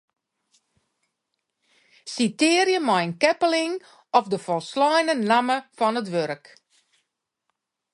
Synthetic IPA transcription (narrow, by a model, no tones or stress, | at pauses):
sitɪːəɾjəmajnkɛpəlɪŋ | ɔfdəfɔlˠslɔjnənaməfɔnətʋøɾk